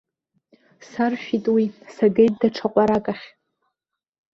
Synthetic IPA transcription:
sarʃᶣitʼwisaɡejt̚ʼdaʈ͡ʂʰaqʷʼaɾakʼaχʲ

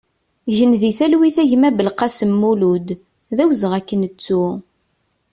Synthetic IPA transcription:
ʝənðiθælwiθæʝmæbəlqɑsəmːulud̪ | ðæwzəʁækːənət͡sːu

